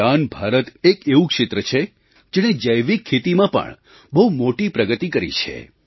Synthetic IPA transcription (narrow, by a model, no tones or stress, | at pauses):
anbʱaɾət̪ekeʋũkʃɪt̪ɾət͡ʃʰe | d͡ʒeɽ̃ed͡ʒəjʋikʰːet̪imãpə̰ɳ | bəɦumoʈipɾəɡət̪ikəɾḭt͡ʃʰḛ